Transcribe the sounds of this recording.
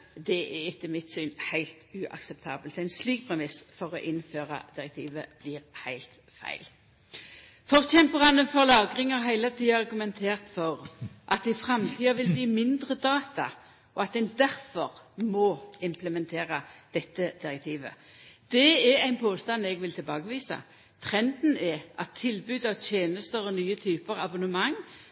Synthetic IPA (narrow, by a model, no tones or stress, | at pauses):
d̪ɛʔɛɾɪt̪ːɪmɪt̪syːnhæɪlt̪ʉʔɑ̰ksɛp̚t̪ʰɑːbəlt̪æɪnsliːk̚pʰʁɛmɪsfɔʁɔʔɪnføːʁɑ̰d̪̥ɪʁɛk̚t̪ʰiːʋəb̥liːʁhæɪlt̪ | fæ̰ɪl | fɔʁçɛmpəʁɑnəfɔʁlɑːɡʁɪŋɑʁɦæɪlət̪ʰiːɑɑʁɡʉmɛnt̪ʰeːʁt̪fɔʁʔɑt̪ɪfɾɑmt̪ʰiːɑʋɪlbliːmɪnd̪ʁəd̪ɑːt̪ɑ | ʔɔɑt̪̚d̪ɛnd̪æʁfɔʁmɔɪmpləmɛnt̪ʰeːʁəd̪̥ɛt̪ːəd̪̥ɪʁɛk̚t̪ʰiːʋə̰ | d̪̥ɛɛɾæɪnpʰoːst̪ɑnɛɡʋɪlt̪ʰɪlbɑːɡəʋiːsɑ̰ | t̪ʰʁɛnd̪n̩ɛʔɑt̪ʰːɪlbʉːd̪ɑʋt̪ʰjeːnəst̪əʁɔnyːət̪ʰyːpəʁɑbʊnəmɑŋː